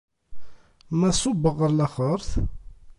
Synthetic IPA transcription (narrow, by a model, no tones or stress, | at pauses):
mæsˤʊbəʁəɾlæχəɾˤθ